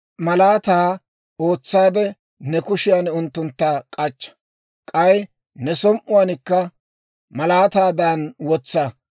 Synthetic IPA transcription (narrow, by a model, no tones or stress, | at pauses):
mɐlaːt̪aː | o̞ːt͡sːaːd̪ɛ | nɛkʊʃɪjaːnʊnt̪ːʊnt̪ːɐkʼɐt͡ʃːɐ̥ | kʼɐj | nɛsɔmʔʊwanɪkːɐ | mɐlaːt̪aːd̪aːnwɔt͡sːɐ